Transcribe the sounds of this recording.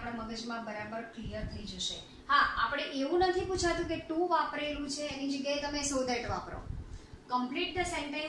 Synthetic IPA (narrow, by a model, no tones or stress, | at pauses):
pɽ̃aməɡəd͡ʒmãbəɾabəɾklijəɾt̪ʰəid͡ʒəʃḛ | ɦaapɽ̃eʔeʋũnət̪ʰiput͡ʃʰat̪ũkeʈũʋapɾelũt͡ʃʰeːnid͡ʒəɡjaet̪əmesod̪ʱəʈʋapɾo̰kəmpliʈ̚d̪əsẽɳʈẽ